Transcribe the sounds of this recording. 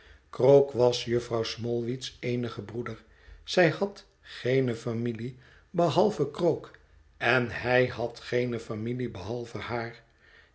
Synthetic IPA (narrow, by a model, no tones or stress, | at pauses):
krokʋɑsjɵfrɑwsmɔlˠʋitsejnəχəbrudəɹ | z̥ɛjhɑt | χejnəfamili | bəɦɑlˠvəkrowk | ɛnɦɛjhɑtχejnəfamilibəɦɑlˠvəhaːr